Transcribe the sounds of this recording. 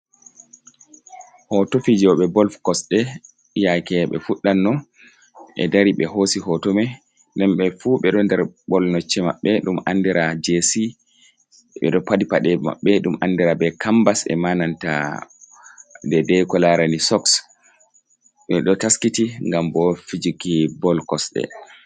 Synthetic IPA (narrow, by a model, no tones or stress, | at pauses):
hɔtofid͡ʒɔɓɛbɔlfkɔsɗɛ | jakɛɓɛ̰fuɗːanːɔ | ʔɛ̰daɾiɓɛɦosihɔtɔmɛ | ndɛnɓɛfuɓɛɗɔndɛɾɓɔlnɔt͡ʃːɛma̰ɓːɛɗumandiɾad͡ʒesi | ɓɛ̰ɗɔpadipaɗɛma̰ɓːɛɗumʔandiɾabɛkambasɛ̰mananta̰ | dɛdɛkɔlaɾanisɔks | ɓɛɗɔtaskitiŋɡambɔfid͡ʒikibɔlkɔsɗɛ̰